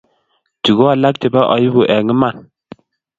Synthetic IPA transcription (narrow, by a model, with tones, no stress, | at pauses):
tu˨ɡo˦a˨la˦k̚te˨ba˦ʔɔ̰˨ji˦bu˨ʔɛ˨ŋə˦ma˦˨n